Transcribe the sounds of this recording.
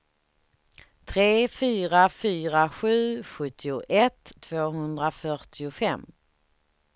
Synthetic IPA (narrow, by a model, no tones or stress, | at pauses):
t̪ʰɾeːfyːɾafyːɾaɧʉ̟ːɧɵt̪ʰːɪʊʔɛt̪ʰːv̥oːɦɵnd̪ɾafœʈɪʊfɛmː